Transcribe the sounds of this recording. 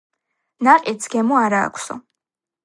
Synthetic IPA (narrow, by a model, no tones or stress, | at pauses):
naqʼisɡ̥ɛmɔaɾa̰ːkʰsɔ̰